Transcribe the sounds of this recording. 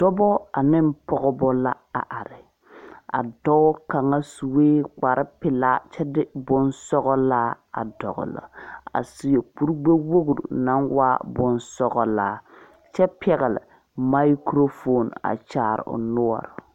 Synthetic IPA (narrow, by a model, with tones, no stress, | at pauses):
d̥ɔ˦bɔ˦a˨nɪ˦m˦pɔ˦ɣɔ˦bɔ˦la˦ | a̰˨ʔa˨ɾɪ˨ | a̰˨dɔ˦ɡʊ˦ka˨ŋa˦su˨weː˦k͡pa˨ɾɪ˦pɪ˨laː˦t͡ʃɛ˦dɪ˦bʊ˦nsɔ˦ɣɔ˦laː˦ | a̰˨dɔ̰˨ɣʊ̰˨la̰˨a̰˨si˨e˨k͡pu˦ɾɡ͡be˦wo˦ɡu˨ɾṵ˨na˦nwa˦bʊ˦nsɔ˦ɣɔ˦laː˦ | t͡ʃɛ˦pʰɛ˨ɣɛ˨lɪ̰˨ | ma˦kɾo˦fo˦˨na̰˨t͡ʃaː˨ɾɪ̰˨ʊ̰˨nʊ˦ɔ̰˨ɾɪ˨